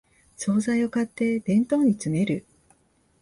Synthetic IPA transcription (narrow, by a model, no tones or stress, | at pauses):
so̞ːzaio̞kat̪ːe̞d̪̥ẽ̞nt̪o̞ːɲ̟it͡sɨme̞ɾɯ̟